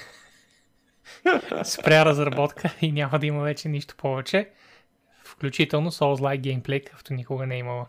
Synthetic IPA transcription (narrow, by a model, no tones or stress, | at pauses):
spɾʲaɾɐzɾɐbɔt̪kʰəinʲamɐd̪ɐiməvɛt͡ʃɛniʃt̪o̥pɔvɛt͡ʃɛ | fklʲut͡ʃit̪ɛlˠnosolzlˠajɡʲɛjmplɛjkḁkt̪onʲikʊɡənɛimɐlˠə